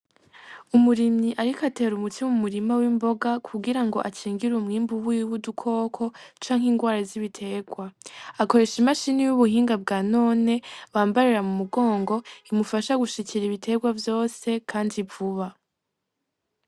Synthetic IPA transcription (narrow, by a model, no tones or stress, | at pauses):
umuɾimɲiʔaɾikate̞ɾumutʰimumuɾimawimbo̞ɡakʰuɡiɾaŋɡo̞̰ʔat͡ʃiːŋɡiɾumŋiːmbuβujwudukʰo̞ːkʰo̞t͡ʃaːŋ̥hiːnɡwaːɾaziβitʰe̞ːɡwaako̞ɾe̞ːʃimaʃiːnijuβuhiːŋɡab̚ɡaːno̞ːne̞βaːmbaɾiɾamumuɡo̞ːŋɡo̞imufaʃaɡuʃiciɾiβitʰe̞ːɡwavjo̞ːse̞kʰaːndivuβa